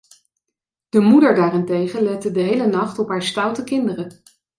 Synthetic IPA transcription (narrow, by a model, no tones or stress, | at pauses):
d̥əmudəɹdaːrɪntejχəlɛtədəɦejlənɑχtɔpɦaːɹstɑwtəkɪndərə